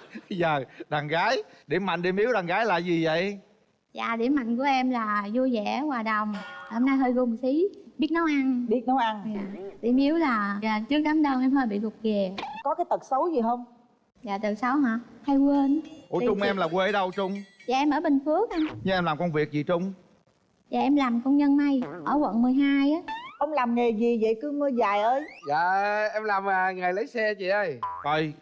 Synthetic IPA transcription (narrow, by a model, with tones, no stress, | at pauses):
zəː˨˩ɗaː˨˩ŋɣaː˨˦jɗḭ˧˩əmːa̰˧˨ŋɗḭ˧˩əmʔi˨˦əwɗaː˨˩ŋɣaː˨˦jlaː˨˩zi˨˩və̰˧˨j | ja̰ː˧˨ɗi˧˩əmːa̰˧˨jŋ̟ku˧˩əʔɛ˧mlaː˨˩zu˧zɛ̰˧˩˦hwaː˨˩ɗə˨˩wŋ͡ma˨ho˧mna˧jɦəː˧jɣʊ˨˩ŋ͡msi˨˦ɓi˦˥ət̚nɔ˨˦wʔa˧nɓi˦˥ət̚nɔ˨˦wʔa˧njaː˨˩ɗḭ˧˩əmʔi˨˦əwlaː˨˩zaː˨˩t͡ɕɨ˦˥k̚kaː˨˦mɗə˧wʔɛ˧mhəː˧jɓḭ˧˨lʊ˨˩ət̚ɣɛ˨˩kɔ˨˦kaː˨˦jt̪ə˨˩t̚sə˨˦wzi˨˩ɦə˧wŋ͡m | zaː˨t̪ɨ˨˩sa˨˦wɦaː˧˨ha˧jkwe˧n˦ʔo˨˧˦t͡ɕʊ˧ŋ͡mʔɛ˧mlaː˨˩kwe˧˦ɗə˧wt͡ɕʊ˧ŋ͡mza̰ː˨ʔɛ˧mʔəː˧˩ɓə˨˩nfɨ˨˦ək̚aː˧˩ɲɨ˧ŋʔɛ˧mlaː˨˩mkɔ˧ŋ͡mvi˨˩ək̚zi˨˩t͡ɕʊ˧wŋ͡m | za̰ː˨ʔɛ˧mlaː˨˩mkə˧wŋ͡mɲə˧nma˧jʔəː˧˩kwə̰˧˨nmɨ˨˩əjɦaː˧jʔaː˨˦ʔə˧wŋ͡mlaː˨˩mŋe˨˩zi˨˩və̰˧˨jkɨ˨˧˦mɨ˧zaː˨˩jʔəː˧jzaː˨˩ʔɛ˧mlaː˨˩maː˨˩ŋəː˨˩jlə˨˦jsɛ˧t͡ɕḭ˧˩ʔə˧jho˧˩j